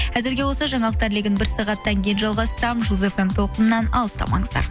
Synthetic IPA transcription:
qʰæzɪɾɡʲe̞wo̞lsɑʒɑɴɑlˠəq̚t̪ɑɾleɡʲɪnbɪɾsɑʁɑt̪ːɑŋkʲejɪnʒɑlˠʁɑst̪əɾɑmʒuze̞fe̞mt̪ʰo̞lˠqənənːɑnɑ̰lˠəst̪ɑ̰mɑ̰ɴəzd̪ɑ̰ɾ

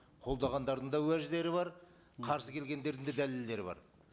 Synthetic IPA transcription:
qʰo̞lˠd̪ɑʁɑnd̪ɑɾd̪ənd̪ɑwæʒd̪e̞ɾɪβɑɾ | qʰɑɾsəkʲʰe̞lɡʲe̞nd̪e̞ɾd̪ɪnd̪ed̪æle̞ld̪e̞ɾɪbɑ̰ɾ

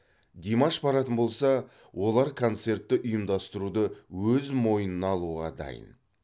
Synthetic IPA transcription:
d̪ʲemaʃbɑɾɑt̪ənbo̞lˠsɑ | wʔo̞lˠɑɾkʰo̞nt̪se̞ɾt̪ːɪʔʊjəmd̪ɑst̪əɾud̪əwɵzmo̞jənənɑːlˠuʁɑd̪ɑ̰jə̰n

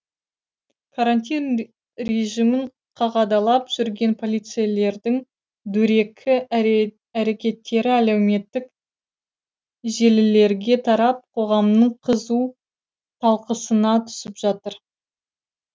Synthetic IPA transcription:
kʰaɾanʲt̪ʲin | ɾe̞ʒimɪɴ | qʰɑʁɑd̪ɑlˠɑpʒ̥ʏɾɡʲe̞npʰo̞lʲˠijt̪sɨjale̞ɾd̪ɪŋ | d̪ɵɾe̞kʲʰɪ | æɾe̞kʲe̞t̪ːe̞ɾɪælewme̞t̪ːɪk | ʒe̞lɪle̞ɾɡʲe̞t̪ʰɑɾɑp̚qʰo̞ʁɑmnəɴqʰəzu | t̪ʰɑlˠqəsənɑt̪ʰʏ̥sɪpʒ̥ɑt̪əɾ

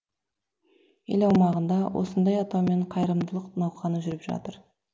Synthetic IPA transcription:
ḛlɑwmɑʁənd̪ɑwʔo̞̰sənd̪ɑjɑt̪ɑwme̞ɴqʰɑjɾəmd̪əlˠəqnɑwχɑnəʒʏɾɪpʒɑ̰t̪əɾ

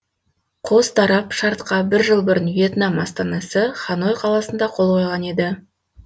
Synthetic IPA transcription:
qʰo̞st̪ʰɑɾɑpʃɑɾt̪qɑbɪɾʒəlˠbʊɾənve̞t̪nɑmɑst̪ɑnɑsəχɑno̞jqʰɑlˠɑsənd̪ɑqʰo̞lˠqʰo̞jʁɑne̞d̪ɪ

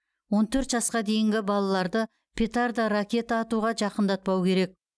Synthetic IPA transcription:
wo̞nt̪ʰɵɾt̪ʒɑsqɑd̪e̞jɪŋɡʲɪbɑlˠɑlˠɑɾd̪ə | pʲʰe̞t̪aɾd̪ɑɾakʲe̞t̪aːt̪uʁɑʒɑqənd̪ɑt̪̚pɑwkʲʰe̞ɾe̞k̚

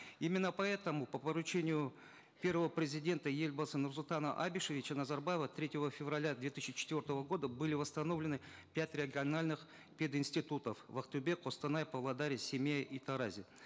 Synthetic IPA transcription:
imʲɪnːəpɐɛt̪əmʊpəpəɾʊt͡ɕenʲɪjʊ | pʲe̞rvəvəpɾʲɪzʲɪdʲe̞nt̪əjelʲbəsənursulˠt̪anəʔabʲɪʂəvʲɪt͡ɕənɐzarbajɪvət̪ɾʲetʲɪvəfʲɪvrɐlʲad̪vʲe̞t̪ɨsʲt͡ɕɪt͡ɕɪ̥t̪vʲort̪əvəɡo̞d̪əbɨlʲɪvəst̪ɐno̞vlʲɪnɨ | pʲatʲɾʲɪɡʲɪɐnalʲnɨx | pʲed̪ɪnsʲtʲɪt̪ut̪əfvɐqt̪ʊbʲe̞kqost̪ɨnajpəvlˠɐd̪aɾʲɪsʲɪmʲejʔit̪ɐɾazʲɪ

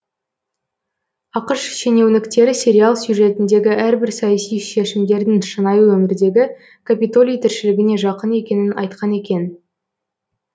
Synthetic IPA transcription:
ɑqəʃʃe̞ne̞wnɪkt̪e̞ɾɪsʲe̞ɾʲialˠsjuʒe̞t̪ɪnd̪e̞ɡʲɪʔæɾbɪɾsɑjɑsijʃe̞ʃɪmd̪e̞ɾd̪ɪŋʃənɑjwɵmɪɾd̪e̞ɡʲɪ | kʰapʲit̪o̞lʲijt̪ʰɪɾʃɪlɪɡʲɪne̞ʒɑqəne̞kʲe̞nɪnɑ̰jt̪qʰɑne̞kʲe̞n

